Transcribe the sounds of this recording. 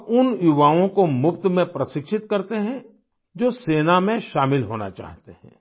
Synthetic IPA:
ʊnjuʋaːõkomʊpt̪mẽpɾɐʃɪkʃɪt̪kɐɾt̪eɦɛ̃ | d͡ʒoːseːnamẽʃaːmɪlɦoːna̰t͡ʃa̰ːɦt̪eɦɛ̰̃ː

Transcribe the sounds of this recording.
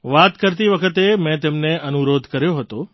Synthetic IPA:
ʋat̪kəɾt̪iʋəkʰət̪emɛ̃t̪emneʔənuɾod̪ʱkəɾjoɦət̪o

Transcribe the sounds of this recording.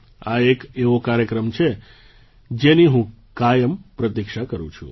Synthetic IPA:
aekeʋokaɾjəkɾəmt͡ʃʰe | d͡ʒeniɦũkajəmpɾət̪ikʃakəɾṵ̃t͡ʃʰṵ̃

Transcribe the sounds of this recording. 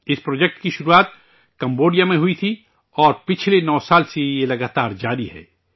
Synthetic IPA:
ɪspɾoːd͡ʒɛk̚ʈkiʃʊɾuaːt̪̚ | kɐ̃mboːɖijamẽɦʊit̪ʰi | ɔːɾpɪt͡ʃʰlenɔːsaːlsejelɐɡaːt̪aːɾd͡ʒaːɾiɦɛ̰ː

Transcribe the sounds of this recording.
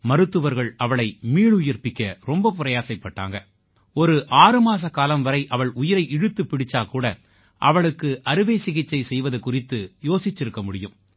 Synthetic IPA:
mɐɾɯt̪ːɯʋɐɾɣɐɭɐʋɐɭɐɪmiːɭʊjɐɾpɪkʲːɐɾɔmbɐpʊɾɐjaːsɐɪpːɐʈːa̰ːŋɡɐ | ɔɾɯʔaːrɯmaːs̬ɐkaːlɐmʋɐɾɐɪʔɐʋɐɭʊjɪɾɐɪʔɪɽɯt̪ːɯpːɪɽɪt͡ʃːaːkuːɽɐ | ʔɐʋɐɭɯkːɯʔɐɾɯʋeːsɪɣɪt͡ʃːɐɪsɛjʋɐðɐkːʊrɪt̪ːɯjoːsɪt͡ʃːɪɾɯkːɐmʊɽɪjɯm

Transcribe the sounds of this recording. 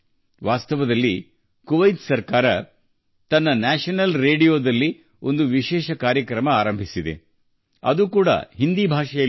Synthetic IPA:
ʋaːst̪ɐʋɐd̪ɐlːi | kuʋɐjt̪sɐɾkaːɾɐ | t̪ɐnːɐnaːʂɐnɐlɾeːɽijo̞ːd̪ɐlːi | o̞nd̪uʋiʃɛːʃɐkaːɾjɐkɾɐmɐaːɾɐmbʱisid̪ḛ | ɐ̰d̪ukuːɽɐ̰ɦind̪ibʱaːʂɐjɐ

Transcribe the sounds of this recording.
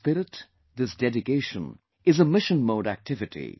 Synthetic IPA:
pɪɾɪt | d̪ɪsdɛdɪkeɪʃə̰̃n | ɨzəmɪʃə̃nmoʊɾæ̰k̚tʰɪvɨtʰḭ

